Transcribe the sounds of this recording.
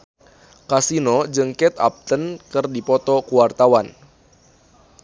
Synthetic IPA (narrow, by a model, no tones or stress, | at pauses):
kasinɔd͡ʒɨŋkɛt̪a̰p̚t̪ənkɨrdipɔt̪ɔkuwart̪awan